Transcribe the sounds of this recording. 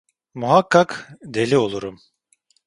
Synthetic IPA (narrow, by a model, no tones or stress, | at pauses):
muɦakʰːakd̪e̞lʲio̞lˠuɾum